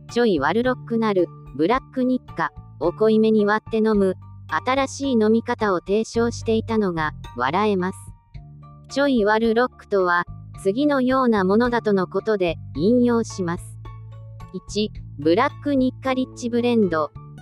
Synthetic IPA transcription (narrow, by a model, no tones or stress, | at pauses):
t͡ɕo̞iβaɾɯ̟ɾo̞kːɯ̟naɾɯ̟ | bɯ̟ɾakːɯ̟ɲ̟ikːao̞ko̞ime̞ɲ̟iβat̪ːe̞no̞mɯ̟at̪aɾaɕiːno̞mʲikat̪ao̞t̪e̞ːɕo̞ːɕi̥t̪e̞it̪ano̞ɡaβa̰ɾae̞masɨ̥ | t͡ɕo̞iβaɾɯ̟ɾo̞kːɯ̟̥t̪o̞βat͡sɨɡʲino̞jo̞ːnamo̞no̞d̪at̪o̞no̞ko̞t̪o̞d̪e̞ĩɰ̃jo̞ːɕimasɨ̥ | it͡ɕibɯ̟ɾakːɯ̟ɲ̟ikːaɾʲit͡ɕːibɯ̟ɾẽ̞nd̪o̞